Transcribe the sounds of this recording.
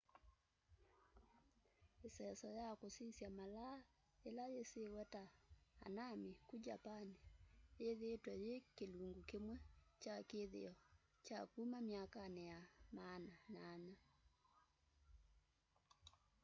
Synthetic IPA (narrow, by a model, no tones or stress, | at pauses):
esɛsɔjakosisjamala | elajesewɛtaa̰namikud͡ʒapaneeðetwajekeluŋɡukemwɛt͡ʃakeðḛɔ | t͡ʃakumamjakanɛjamananaɲa